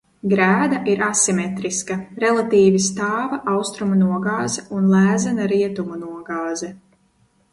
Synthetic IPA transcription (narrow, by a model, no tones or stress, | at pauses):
ɡɾæːd̪aʔiɾasimɛt̪ɾiskaɾɛlˠat̪iːvist̪aːvɐʔawst̪ɾumunuɔɡaːzɛunlˠæːzɛnaɾiɛt̪umunuɔɡaːzɛ